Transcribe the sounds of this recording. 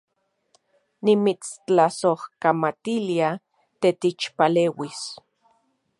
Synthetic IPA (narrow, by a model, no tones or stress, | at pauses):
nimit͡st͡ɬasohkamat̪ilia | t̪et̪it͡ʃpaleːwis